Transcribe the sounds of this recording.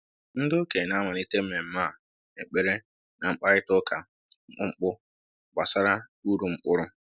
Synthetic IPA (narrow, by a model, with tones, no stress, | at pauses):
n̩˦do˦ke˨na˦ma˨n˦i˦te˦me˨m̩˦ma˦˨ | e˨k͡pe˨ɾe˦ | na˨ŋ͡m̩˦k͡pa˦ɾɪ˦tʊ˦kʰa˨ | ŋ͡m̩˦k͡pʊ˦ŋ͡m̩˦k͡pʊ˦ | ɡ͡ba˨sa˦ɾa˦u˦ɾu˨ŋ͡m̩˦k͡pʊ˦ɾʊ˦